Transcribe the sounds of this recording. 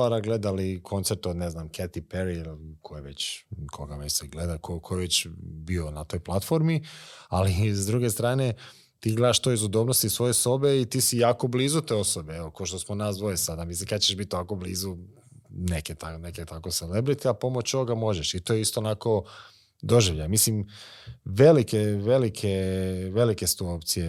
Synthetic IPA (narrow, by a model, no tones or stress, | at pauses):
aɾaɡle̞d̪alikʰo̞nt̪seɾt̪od̪neznamket̪ipeɾilkʰojeʋet͡ɕkʰoɡamesɛɡled̪akokʰojeʋet͡ɕbionat̪o̞ːjplˠat̪fo̞ɾmializd̪ɾuɡe̞st̪ɾaːne̞ | t̪iːɡled̪aʃt̪ojizɡud̪oːbnost̪isʋo̞jeso̞beit̪iːsijaːko̞bliːzut̪e̞o̞sobeeʋokoʃt̪osmonaːsd̪ʋojesad̪amislikad̪t͡ʃeʃbit̪ːoʋako̞bliːzu | neket̪aneket̪ako̞selebɾit̪iapo̞mot͡ɕoʋoɡamo̞ʒeʃit̪oːjeist̪oːnako̞ | d̪o̞ʒiʋʎamislim | ʋelikeʋe̞likʰeʋe̞likest̪uopt̪sije